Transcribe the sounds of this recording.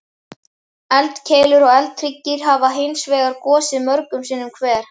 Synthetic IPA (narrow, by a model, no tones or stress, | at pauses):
ɛlt̪cʰeːjlʏɾɔɣɛlt̪ʰɾicːɪɾ̥ɦavaɦejnsvɛːɣaɾkɔːsɪðmœɾkʏmsiːnʏmkʰvɛːɾ̥